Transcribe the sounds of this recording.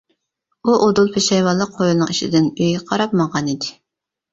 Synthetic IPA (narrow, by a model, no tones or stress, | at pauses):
uʔod̪ulˠpʰeʃɑjwɑlˠːəq̚ʰːojulˠnɨŋiʃḭd̪ɪnøjqʰɑɾɑp̚məʁɑnid̪ɪ